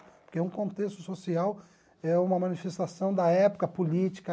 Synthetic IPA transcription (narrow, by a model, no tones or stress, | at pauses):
pʊkɛũkõnt̪est̪ʊsosiaw | ɛũmɐmɐ̃nifest̪asɐ̃w̃d̪ɐɛpʊ̥kɐpolit͡ʃi̥kɐ